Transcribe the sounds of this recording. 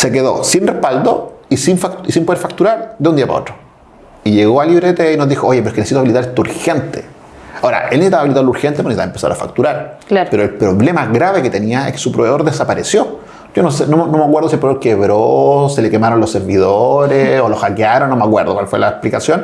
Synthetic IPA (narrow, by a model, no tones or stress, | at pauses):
sekeðo̰sinrehpald̪oisinfaktisimpo̞ðeɾfak̚t̪uɾaɾðeund̪iapa̰otɾo | iʝeɣoaliβɾet̪einozðixoojepɾoekenesit̪oaβilit̪aɾet̪ouɾxent̪e | aoɾa̰ʔelnesit̪aβilit̪aɾluɾxent̪eponsit̪aempesa̰o̰a̰fa̰k̚t̪uɾaɾapeɾoelpɾoβlemaɣɾaβeket̪eniaehke̥supɾoβeð̞o̞ɾðesapaɾesjo | ɟ͡ʝonosenomonomeakweɾð̞osielpɾooɾkeβɾoselekemaɾonlosːeɾβið̞oɾeolosxakjaɾonːomeakweɾðokwalfwelaeplikasjon